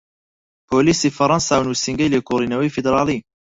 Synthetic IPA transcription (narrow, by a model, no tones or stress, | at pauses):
pʰoːliːsiːfɐɾˤɑnsaːwnuːsiŋɡɐjleːkʰoːriːnɐwɐjfid̪ɾɑːlˠi